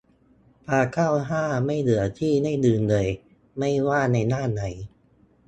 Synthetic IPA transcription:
pʰaː˧kʰaː˥˩wɦaː˥˩ma˥˩jdɯ˩˦ɐt̪ʰiː˥˩na˥˩jdɯː˧ndɤː˧j | ma˥˩jwaː˥˩na˧jnaː˥˩na˩˦j

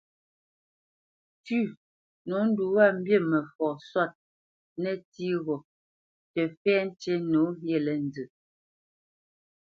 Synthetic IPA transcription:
tʉ˦˨ | no˨˦n̩˦du˨wa˦˨m̩˦bje˦˨mɛ˨fɔ˨swa˦˨t̚ | nɛ˦˨ti˦ɣɔ˨ | tɛ˨fɛ˦n˦t͡ʃe˦no˨˦ɣje˦˨lɛ˨n˦dɨ˨

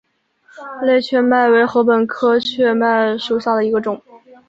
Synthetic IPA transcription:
le˥˧ɪt͡ɕʰɥɛ˥˧ma˥˩ɪwe˧˥ɪxɤ˧˥pə˨˩nkʰɤ˥t͡ɕʰɥɛ˥˧ma˥˩ɪʂu˨˩ɕjɑ˥˩d̪ə˩i˧˥ɡə˧ʈ͡ʂʊ˨˩˦ŋ

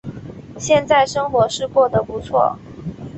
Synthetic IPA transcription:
ɕjɛ˥˧nt͡sa˥˩ɪʂɤ˥ŋxwɔ˧˥ʂɻ̩˥˧kwɔ˥˩d̪ə˩pu˧˥t͡sʰwɔ̰˥˩

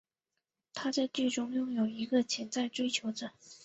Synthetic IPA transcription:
t̪ʰa˥t͡sa˥˧ɪt͡ɕi˥˩ʈ͡ʂʊ˥ŋjʊ˥˩ŋjo˨˩ʊi˧˥ɡə˧t͡ɕʰjɛ˧˥nt͡sa˥˩ɪʈ͡ʂwe˥ɪt͡ɕʰjo˧˥ʊʈ͡ʂɤ˨˩˦

